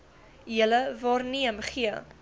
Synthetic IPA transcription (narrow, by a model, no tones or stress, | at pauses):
jələvɑːrniəmχiə